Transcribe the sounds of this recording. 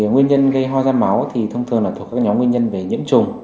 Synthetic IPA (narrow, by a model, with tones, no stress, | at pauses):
ŋwi˧ənɲə˧nɣə˧jɦɔ˧zaː˧nma˨˦wt̪ʰi˨˩t̪ʰə˧wŋ͡mt̪ʰɨ˨˩ənlaː˨˩t̪ʰu˨˩kaː˥kɲɔ˨˦mwənɲə˧nve˨˩ɲɨ̰˧˥əmt͡ɕʊ˨˩ŋ͡m